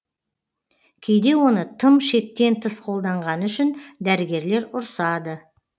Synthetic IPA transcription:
kʲʰejd̪e̞wo̞nət̪ʰəmʃe̞k̚t̪ːe̞nt̪ʰəsqʰo̞lˠd̪ɑɴʁɑnəʏʃɪnd̪æɾɪɡʲe̞ɾle̞ɾʊɾsɑd̪ə

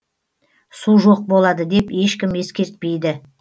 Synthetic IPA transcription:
suʒo̞q̚bo̞lˠɑd̪əd̪e̞pe̞ʃkʲɪmje̞skʲe̞ɾt̪̚pe̞jd̪ɪ

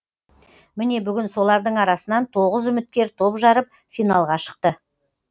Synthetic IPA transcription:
mɪne̞bʏɡʲɪnso̞lˠɑɾd̪əɴɑɾɑsənɑnt̪ʰo̞ʁəzʏmɪt̪̚kʲe̞ɾt̪ʰo̞pʒɑɾəp̚ | fijnɑlˠʁɑʃə̥q̚t̪ə

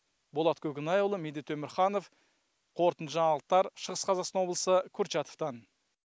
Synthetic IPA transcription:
bolˠɑt̪kʲʰɵkʲɪnɑjolˠəmed̪et̪ʰːɵmɪɾχɑno̞f | qʰo̞ɾt̪ənəʒɑɴɑlˠəq̚t̪ːɑɾʃəʁəsqʰɑzɑqsɑnwoblˠəsəkʲʰɵɾt͡ʃɑt̪o̥ft̪ɑn

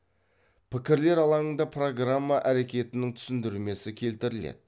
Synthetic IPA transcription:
pʰɪkʲɪɾle̞ɾɑlˠɑəɴd̪ɑpʰro̞ɡramːaʔæɾe̞kʲe̞t̪ɪnɪŋt̪ʰʏ̥sɪnd̪ɪɾme̞sɪkʲʰe̞lt̪ɪɾɪlḛd̪ɪ

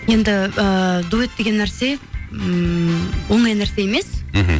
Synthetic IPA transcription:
je̞nd̪ɪəd̪uet̪̚d̪e̞ɡʲenːæɾse̞ | wo̞ɴɑjnæɾse̞je̞me̞s

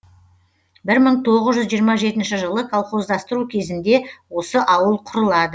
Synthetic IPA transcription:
bɪɾməɴt̪ʰo̞ʁəzʒʏzʒijəɾmɑʒe̞t̪ɪnʃɪʒəlˠəkʰalˠχo̞zd̪ɑst̪əɾukʲʰe̞zɪnd̪e̞wo̞səʔɑwəlˠqʰʊɾəlˠɑd̪ə

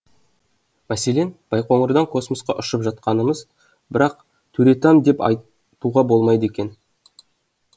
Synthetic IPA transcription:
mæse̞le̞nb̥ɑjqo̞ɴəɾd̪ɑŋkʰo̞smosqɑʔʊʃəpʒɑt̪̚qɑnəməz | bɪɾɑq̚ | t̪ʰɵɾe̞t̪ɑmd̪e̞pɑ̰j | t̪uʁɑbo̞lˠmɑjd̪əe̞kʲe̞n

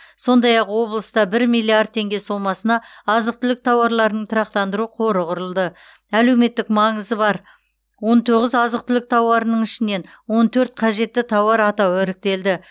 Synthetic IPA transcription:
so̞nd̪ɑjɑqwo̞blˠəst̪ɑbɪɾmijlːiard̪̚ʰe̞ŋɡʲe̞so̞mɑsənɑɑzəq̚t̪ʰʏlɪk̚t̪ʰɑwɑɾlˠɑɾənəɴt̪ʰʊɾɑqt̪ɑnd̪əɾuqʰo̞ɾəʁʊɾəlˠd̪ə | æle̞wme̞t̪ːɪkmɑɴəzəbɑɾ | wo̞nt̪ʰoʁəzɑzəqt̪ʰʏlɪk̚t̪ʰɑwɑɾənəɴɪʃɪne̞n | wo̞nt̪ʰɵɾt̪̚qʰɑʒe̞t̪ːɪt̪ʰɑwɑɾɑt̪ɑwʏɾɪk̚t̪e̞ld̪ɪ

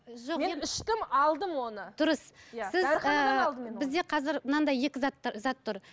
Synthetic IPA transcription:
ʒoqmeeɪʃt̪ɪmɑlˠd̪əmwo̞nəd̪̥ʊɾəsjsɪzɑəlˠd̪əmbɪzd̪e̞qʰɑzɪɾnɑnd̪ɑje̞kʲɪzɑt̪ːzɑt̪ːʊɾ

